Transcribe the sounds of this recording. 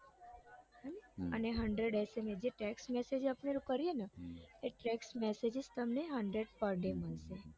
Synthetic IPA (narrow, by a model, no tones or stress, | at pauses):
ənəneɦəɳɖɾeɖɛsemed͡ʒeʈɛksmɛsed͡ʒapɳeɾukəɾijenəeʈɾɛksmɛsed͡ʒist̪əmneɦəɳɖɾeɖpəɾɖeməlʃe